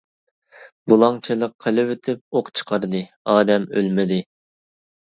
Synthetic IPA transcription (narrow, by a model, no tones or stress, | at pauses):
bulˠɑŋt͡ʃʰilˠəqʰːəlɪwet̪ʰɪp̚oqt͡ʃʰə̥qʰɑɾd̪ɨ | ɑːd̪ɛmø̰lmɪd̪ɪ